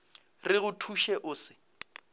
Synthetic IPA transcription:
rɪɣʊtʰuʃɛʔʊːsɪ

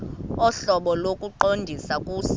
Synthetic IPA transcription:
ɔɬɔɓɔlokʼuǃondʱisakʼuːs

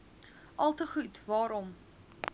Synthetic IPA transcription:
ʔɐlˠtəχutvɑːɾɔm

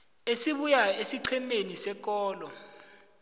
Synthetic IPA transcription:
esiɓujaesiǀʰɛmenisɛk̬ʼɔːlɔ

